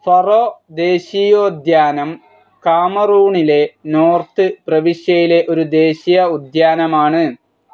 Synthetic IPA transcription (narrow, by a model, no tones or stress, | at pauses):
fɐrod̪e̞ːɕijoːd̪jaːnɐm | kaːmɐruːɳile̞noːrt̪ɨprɐʋiʂjɐjile̞ʔo̞ɾud̪e̞ːɕijɐud̪jaːnɐmaːɳɨ